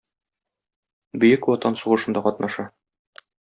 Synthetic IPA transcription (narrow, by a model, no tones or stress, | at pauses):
bɘ̆jɘkwɒt̪ɑnsuʁɤ̆ʃɤ̆nd̪ɑqɒt̪nʔɑʃɑ